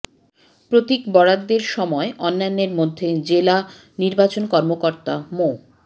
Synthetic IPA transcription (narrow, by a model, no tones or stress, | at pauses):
pɾot̪ikbɔɽad̪ːeɾʃɔmɔeʔɔnːanːeɾmod̪ʱːed͡ʑela | niɾbat͡ɕonkɔɾmokoɾt̪amo